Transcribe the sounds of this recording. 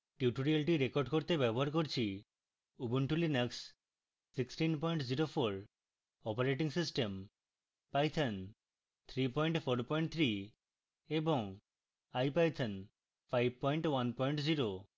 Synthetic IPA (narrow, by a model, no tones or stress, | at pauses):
ʈjuʈoɾialʈiɾekoɾɖkoɾt̪ebɛboɦaɾkoɾt͡ɕʰi | ubuɳʈulineks | siksʈinpɔjɳʈziɾopʰoɾ | ɔpaɾeʈ̬iŋsisʈem | pajt̪ʰen | t̪ʰɾipɔjɳʈpʰoɾpɔjɳʈ̚t̪ʰɾi | eboŋ | ajpajt̪ʰen | pʰajb̚ʱpɔjɳʈwanpɔjɳʈziɾo